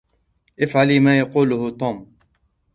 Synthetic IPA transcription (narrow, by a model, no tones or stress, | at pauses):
ʔɪfʕaliːmaːjɑquːlʊhʊt̪ˤuːm